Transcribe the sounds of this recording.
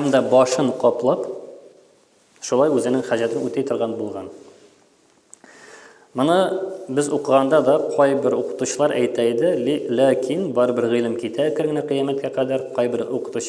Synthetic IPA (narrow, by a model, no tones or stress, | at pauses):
hæmd̪ɒbɒʃɤɴqɒplˠɑp | ʃulˠɑjʉzɘ̆nɘŋχæʑæt̪ɘnʉt̪æjt̪ŏɾʁɑnbulˠʁɑn | mɤ̆nɤbɘzuqɤ̆ʁɑnd̪ɑd̪ɒqʰɒjbɘɾuqɤ̥̆t̪uɕɤ̆lˠɑɾʔæ̰jt̪æjd̪ɘlækʰinbɒɾɤbɘɾʁĭlˠɘmkit̪ækɘ̆ɾɘ̆næqɤ̆jæmæt̪̚kæqæd̪æɾqɒjbɘɾuqɤ̥̆t̪uɕ